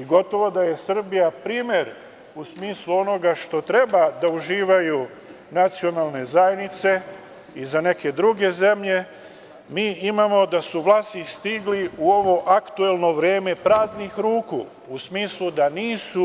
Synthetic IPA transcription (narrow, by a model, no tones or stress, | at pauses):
iɡo̞t̪o̞ʋo̞d̪aje̞sr̩bijapɾiːmje̞ɾ | usmiːslˠuo̞no̞ɡaʃt̪o̞t̪ɾe̞bad̪auʒiːʋaju | nat̪sio̞naːlˠne̞zajenit̪se̞ | izane̞ke̞d̪ɾuɡe̞ze̞mʎe̞ | miːʔimamo̞d̪asuʋlˠaːst̪ist̪iɡliuo̞ʋo̞ʔakt̪ue̞lˠno̞ʋɾje̞ːme̞pɾaːznixɾuːkṵː | smiːslud̪aniːsu